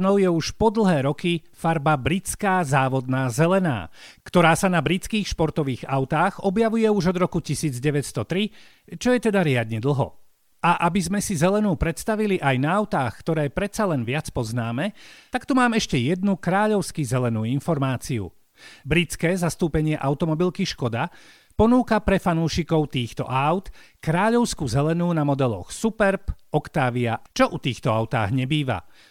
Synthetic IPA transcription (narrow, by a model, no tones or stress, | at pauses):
nɔʊjɛuʃpɔd̪l̩ˠɦɛːɾɔkifaɾbabɾit͡skaːzaːʋɔd̪naːzɛlɛna̰ːkt̪ɔɾaːsanabɾit͡skiːxʃpɔɾt̪ɔʋiːɣaʊt̪aːɣɔbjaʋujɛuʒɔd̪ɾɔkucisiːd͡zɟɛʋɛcst̪ɔt̪ɾi | t͡ʃɔjɛt̪ɛd̪aɾɪad̪ɲɛd̪l̩ˠɦɔ̰ | ʔaʔabizmɛsizɛlɛnuːpɾɛt̪st̪aʋiliʔajnaːʊt̪aːxkt̪ɔɾɛːpɾɛt̪t͡salɛnʋɪat͡spɔznaːmɛt̪akt̪umaːmɛʃcɛjɛd̪nukɾaːʎɔʊskizɛlɛnuːinfɔɾmaːt͡siṵ | bɾit͡skɛːzast̪uːpɛɲɪɛʔaʊt̪ɔmɔbilkiʃkɔd̪a | pɔnuːkapɾɛfanuːʃikɔʊt̪iːxt̪ɔ̰ʔaʊt̪kɾaːʎɔʊskuzɛlɛnuːnamɔd̪ɛlɔ̰xsupɛɾpɔkt̪aːʋiat͡ʃɔʔut̪iːxt̪ɔaʊt̪a̰ːɣɲɛbiːʋa̰